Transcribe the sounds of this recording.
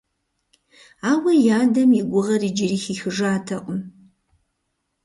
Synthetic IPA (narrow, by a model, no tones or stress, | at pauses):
aːwɐjaːdɐmjiɡʷʊʁɐriːd͡ʒɪriːxiːxɨʐaːtʰɐqʷʼʊm